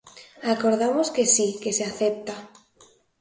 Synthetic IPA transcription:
akoɾðamoskesikeseaθep̚t̪a

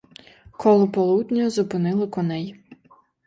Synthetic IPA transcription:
kʰɔlˠɔpɔlˠud̪ʲnʲɔjɔzʊpɪnɪlˠɪkɔnɛj

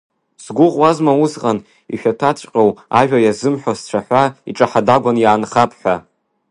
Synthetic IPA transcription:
sɡʷʊʁwazmauzqʼan | ḭʃᶣatʰat͡ʃʷʼqʲʼowaʒᶣajazɨmħʷᶣast͡ʃʷʰaħʷaiʈ͡ʂʼaħadaɡʷanjaːnχapʰʼħʷᶣa

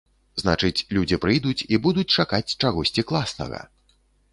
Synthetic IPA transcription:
znat͡ʂɨt͡sʲlʲud͡zʲipɾɨjd̪ut͡sʲibud̪ut͡sʲt͡ʂakat͡sʲt͡ʂaɣɔsʲt͡sʲiklˠasnɐ̰ɣɐ̰

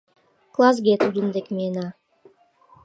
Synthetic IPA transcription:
klˠas̬ɡʲet̪uɾɯnd̪ekmʲena

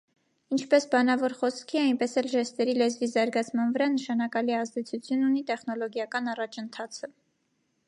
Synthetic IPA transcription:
int͡ʃʰpɛsbɑnɑvɔɾχɔskʰiɑjnpɛsɛlʒɛst̪ɛɾilɛzvizɑɾɡɑt͡sʰmɑnvəɾɑnəʃɑnɑkɑliɛɑzd̪ɛt͡sʰut͡sʰjununit̪ɛχnɔlɔɡjɑkɑnɑrɑt͡ʃʰənt̪ʰɑt͡sʰə

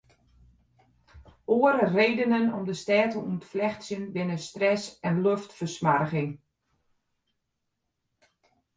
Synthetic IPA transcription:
oəɾəreːdənənɔmdəstɛːtəuətflɛxtsjənʋɪnəstrɛsɛnløftfərsmarɣɪŋ

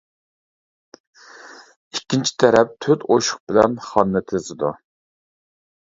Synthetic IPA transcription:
ikʲːint͡ʃʰi̥t̪ʰɛɾɛp̚t̪ʰøt̪oʃʊ̥χ̚bɪlɛnχɑnːɨt̪ʰezɪd̪u

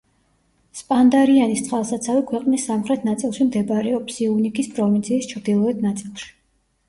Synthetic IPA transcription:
spʼand̪aɾianist̪sχʼalˠsat̪sʰavikʰwɛqʼnisːamχɾɛt̪ʰnat̪sʼilˠʃimd̪ɛbaɾɛɔpsiunikʰispʼɾɔvint̪sʰiːst͡ʃʰɾd̪ilˠɔɛt̪̚ʰnat̪sʼilˠʃi̥

